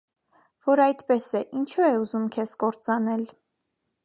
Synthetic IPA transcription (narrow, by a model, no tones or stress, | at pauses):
v̥ɔɾɑjt̪pɛsɛʔint͡ʃʰuɛuzumkʰɛskɔɾt͡sɑnɛl